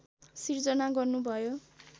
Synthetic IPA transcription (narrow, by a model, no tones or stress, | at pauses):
sird͡zʌnaɡʌrnubʱʌjo